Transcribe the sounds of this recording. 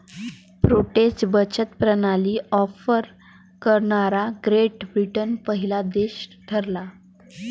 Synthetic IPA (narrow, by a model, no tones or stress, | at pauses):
pɾoʈet͡sbət͡ɕət̪pɾənaliːɔfəɾ | kəɾɳaɾaɡɾeʈbɾiʈənpəɦilad̪eɕd̪ʰʱəɾla